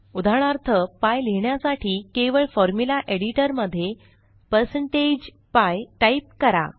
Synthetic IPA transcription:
ud̪ʱaɳ̃aɾt̪ʰəpajleɳjasaʈʰiːkeʋəɭfɔɾmjulaʔeɽiʈəɾməd̪ʱːje | pəɾsəɳʈed͡ʑ | pajʈaip̚kəɾa̰

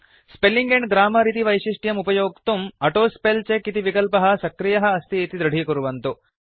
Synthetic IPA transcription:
spelːiŋɡeɳɡɾaːmɐɾit̪̬iʋɐjʃiʂʈjɐmupɐjoːkt̪umɐʈoːspelt͡ʃekit̪iʋikɐlpɐɦɐ̆sɐkɾijɐɦɐːst̪iːt̪id̪ɾɐɖʱikuɾuʋɐnt̪u

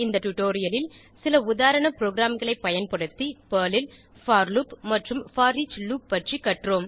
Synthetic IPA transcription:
ɪnd̪ɐʈʊʈoːɾɪjɐlɪl | sɪlɐʊðaːɾɐɳɐpɪɾoːɡɾaːmɡɐɭɐɪpːɐjɐnpɐɽɯt̪ːipɐːlɪl | faːɾlupmɐʈrɯmfaːɾit͡ʃluːp̚ːɐʈrikɐʈroːm

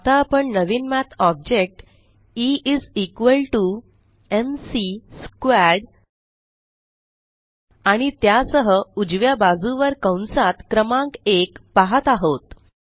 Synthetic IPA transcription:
t̪aːpəɳnəʋiːnmæt̪ʰɔb̚d͡ʑek̚ʈ | iʔid͡zikʋəlʈu | emsiskwæɽ | aɽ̃it̪jasəɦəud͡ʑʋjabad͡zuʋəɾkəwnsat̪kɾəmãŋkekpaɦət̪aɦot̪

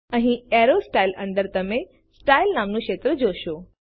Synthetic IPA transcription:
ə̃ɦĩɛɾosʈailə̰̃nd̪əɾt̪əmẽ | sʈailnamnũkʃeːt̪ɾəd͡ʑoʃo

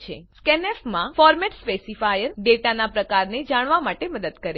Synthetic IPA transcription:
t͡ʃʰḛskɛnɛfmãfɔɾmɛʈspesifajəɾɖeʈanapɾəkaɾned͡ʒaɽ̃ʋamaʈeməd̪əd̪kəɾe

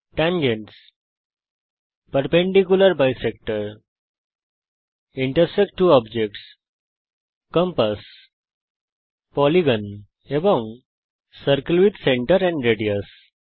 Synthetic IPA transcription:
ʈæ̃ŋɡeɳʈs | pəɾpẽɳɖikjuləɾbajsek̚ʈəɾ | iɳʈəɾsek̚ʈːuːɔbd͡ʑek̚ʈs | kə̃mpəs | pɔliɡə̃n | ebɔ̃ŋ | səɾkəlʋid̪sẽɳʈəɾɛ̃ɳɖɾeɖiəs

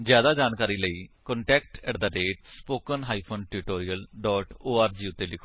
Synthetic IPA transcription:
zjaːd̪aːd͡ʒaːnkaːɾiːləiːkɔɳʈɛːkʈɛːʈd̪aːɾeːʈspoːkənɦaːiːpʰoːnʈuʈoːɾijəlɖɔːʈoːaːɾd͡ʒiːʊt̪ːeːlɪkʰː

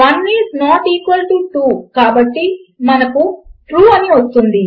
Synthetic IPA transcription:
ʋɐnːiːsnaːʈiːkʋɐlʈiːʈuːkaːbɐʈːimɐnɐkuʈɾuːɐniʋɐst̪und̪i

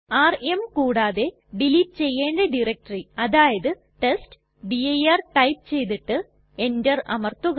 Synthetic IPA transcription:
aːremkuːɽaːðe̞ | ɖiliʈ̚t͡ɕe̞jːeːɳɖeɖirɐk̚ʈɐriɐðaːjɐðɨ | ʈest | ɖiɐjɐrʈɐjp̚t͡ɕe̞jt̪iʈːɨ | e̞ndɐrɐ̰mɐrt̪uɣ

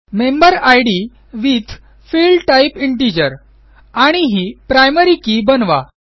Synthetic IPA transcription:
mẽmbəɾajɽi | ʋit̪ʰ | filɖʈaipiɳʈ̬id͡ʑəɾ | aɽ̃iɦipɾajməɾikibənʋa̰

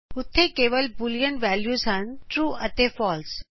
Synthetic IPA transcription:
ʊt̪ʰːekeːʋəlbʊljəɳʈʋæːljusãnʈɾuːət̪efɔːls

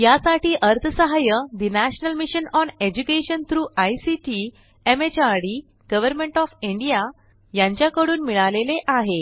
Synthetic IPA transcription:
jasaʈiːʔəɾt̪ʰəsəɦajəd̪inæɕnəlmiɕənɔned͡ʑukeɕənt̪ʰɾuːajsiʈi | emet͡ɕaɾɽi | ɡ̥əʋəɾmẽɳʈɔfiɳɖija | jãɲt͡ɕjakəɽuːnmiɭaleleʔaɦe

